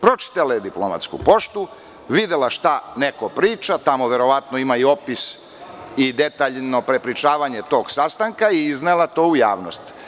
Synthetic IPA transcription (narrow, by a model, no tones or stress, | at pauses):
pɾo̞t͡ʃi̥t̪alaed̪iploma̰t̪skṵpo̞ʃt̪u | ʋid̪elaʃt̪ane̞kopɾiːt͡ʃat̪amo̞ʋe̞ɾo̞ʋat̪no̞imaio̞pis | id̪e̞t̪aːʎno̞pɾe̞pɾit͡ʃaːʋaɲe̞t̪o̞ːɡsast̪aŋkaiiznalˠat̪o̞ːuja̰ːʋnost̪